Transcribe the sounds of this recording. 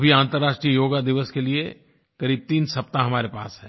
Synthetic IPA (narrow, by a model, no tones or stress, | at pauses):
bʱiãːnt̪əɾaːʃʈɾijəjoːɡad̪ɪʋəskelie | kɐɾiːb̚t̪iːnsɐp̚t̪ãɦɐmaːɾepa̰ːsɦɛ̃ː